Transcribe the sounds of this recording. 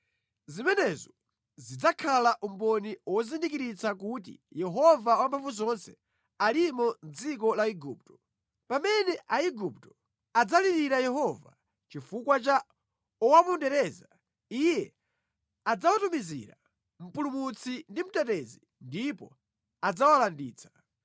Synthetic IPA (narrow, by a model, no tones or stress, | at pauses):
zimɛnɛzɔ | zid͡zakʰalaʔumbɔniwɔzindik̬iɾit͡sak̬ut̬ḭjɛɦɔvawampʰafuzɔnsɛ̥ | alimɔnd͡zik̬ɔlaiɡup̚tɔ̥ | pamɛnɛʔaiɡuptɔ | ad͡zaliɾiɾajɛɦɔva̰ | t͡ʃifukwat͡ʃa | ɔwapɔndɛɾɛza | ijɛ | ad͡zawatumizḭɾa̰ | m̩pulumut͡sʰindim̩tɛtɛzi | ndipɔ | ad͡zawalandiːt͡sʰḁ